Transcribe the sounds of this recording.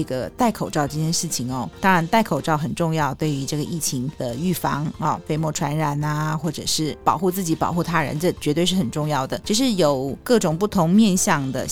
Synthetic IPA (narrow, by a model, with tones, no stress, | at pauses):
ɡə˩t̪a˥˩ɪkʰo˨˩ʊʈ͡ʂɑ˥˧ʊʈ͡ʂɤ˥˧t͡ɕjɛ˥˧nʂɻ̩˥˩t͡ɕʰi˨˩ŋɔ˩t̪ɑ˥ŋɻa˧˥nt̪a˥˩ɪkʰo˨˩ʊʈ͡ʂɑ˥˩ʊxə˨˩nʈ͡ʂʊ˥˧ŋjɑ˥˧ʊt̪we˥˩ɪy˧˥ʈ͡ʂɤ˥˩ɡə˩ʔi˥˩t͡ɕʰi˧˥ŋd̪ə˧y˥˩fɑ˧˥ŋɐ˥˧fe˥˧ɪmwɔ˥˩ʈ͡ʂʰwa˧˥nɻa˨˩˦nɐ˧xwɔ˥˩ʈ͡ʂɤ̰˨˩ʂɻ̩˥˩pɑ˨˩ʊxu˥˧t͡sɹ̩˥˩t͡ɕi˧˥pɑ̰˨˩ʊxu˥˩t̪ʰa˥ɻə̰˧˦nʈ͡ʂə˥˩t͡ɕɥɛ˧˥t̪we˧ɪʂɻ̩˥˩xə˨˩nʈ͡ʂʊ˥˧ŋjɑ˥˩ʊd̪ə˩ʈ͡ʂə˧˩ʂ̬ɻ̩˥˩jo˨˩ʊkɤ˥˩ʈ͡ʂʊ˨˩ŋpu˥˩t̪ʰʊ˧˥ŋmjɛ˥˧nɕjɑ˥˩ŋd̪ə̰˩